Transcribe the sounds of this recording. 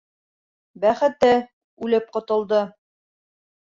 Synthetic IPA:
bæχɘ̆t̪ɘ | ʉlɘp̚qŏt̪ɤ̆lˠd̪ɤ

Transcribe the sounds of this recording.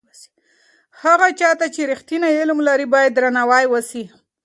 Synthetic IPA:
haɣat͡ʃɑt̪at͡ʃeɾixt̪inaɪlmlaɾibɑjad̪ːɾanawɑjwəsi

